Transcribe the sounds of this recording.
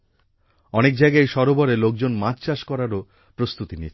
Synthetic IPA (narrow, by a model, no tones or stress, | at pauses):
ɔnek̚d͡ʑajɡajʃɔɾobɔɾelok̚d͡ʑonmãt͡ɕt͡ɕaʃkɔɾaɾo | pɾost̪ut̪init͡ɕʰ